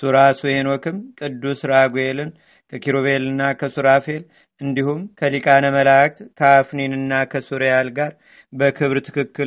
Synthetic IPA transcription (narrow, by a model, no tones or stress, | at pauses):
suɾasuhenokʰɨmkʼɨd̪ːusɾaɡwelɨn | kʰəkʰiɾoβelɨnːakʰəsuɾafe̞l | ɨnd̪ihumkʰəlikʼanəməlak̚t̪kʰəafninɨnːakʰəsuɾjalɡaɾ | bəkʰɨβɾt̪ʰɨ̥kɨkːɨl